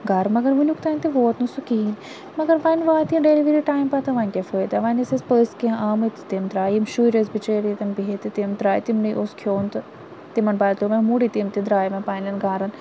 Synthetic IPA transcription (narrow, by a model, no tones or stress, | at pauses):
ɡaːɾmɐɡɐɾʋunʲukt̪aːnʲt̪eʋoːt̪nusukiːn | mɐɡɐɾʋɐnʋaːt̪iɖeliʋiɾiʈaːjmpɐt̪ɐʋɐnʲkʲefoːjt̪ɐʋɐnɐsɐspəːskẽʔaːmɨt̪t̪imt̪ɾaːjimʃujɾezbit͡ʃeːɾit̪ɐnbiɦet̪it̪imt̪ɾaːjt̪imnijʔoskʰjoːnt̪ɨ | t̪imɐnbaːlt̪omɐ̃muɽit̪imt̪id̪ɾaːjmɐ̃paːnlɐnɡaːɾɐn